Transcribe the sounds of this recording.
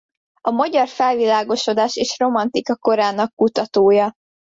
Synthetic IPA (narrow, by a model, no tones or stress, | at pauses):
ɒmɒɟɒrfɛlvilaːɡo̞ʃo̞d̪aːʃeːʃro̞mɒnt̪ikɒko̞ɾaːnɒkːut̪ɒt̪oːjɒ